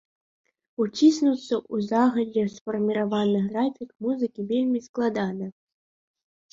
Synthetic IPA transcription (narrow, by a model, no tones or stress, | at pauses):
ut͡sʲisnut̪sːɐʔuzaɣɐdʲɛsfɐrmʲiɾavanɨɣrafʲikmuzɨkʲivʲelʲmʲisklˠad̪anɨ